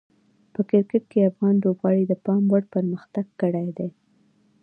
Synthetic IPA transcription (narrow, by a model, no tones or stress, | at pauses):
pəkɪɾkɪʈ̚keafɣɑnlobɣɑɽid̪əpɑmwaɽpəɾməxt̪aɡ̚ːəɽajd̪e